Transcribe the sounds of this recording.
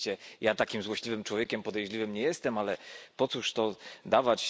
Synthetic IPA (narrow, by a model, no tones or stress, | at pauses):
t͡ɕɛjat̪akʲimzwɔɕlʲivɘmt͡ʂwɔvʲjekʲɛmpɔd̪ɛjʐlʲivɘmɲɛjɛst̪ɛmalɛpɔt̪suʂt̪ɔd̪avat͡ɕ